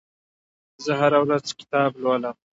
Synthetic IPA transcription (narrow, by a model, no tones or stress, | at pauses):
zəɦaɾawɾazkɪ̥t̪ɑːblwalam